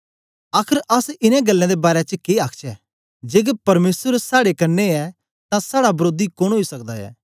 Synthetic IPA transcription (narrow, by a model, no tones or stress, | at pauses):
aːkʰəɾʔɐsɪnẽɡɐlːãd̪ebaːɾet͡ʃkeːaːkʰt͡ʃɛ | d͡ʒeːɡepɐɾmeːsəɾsaːɽekɐɾnːeɛ | t̪ãsaːɽabɐɾoːd̪ikoɽ̃ɦoːisɐk̚d̪aɛ̰ː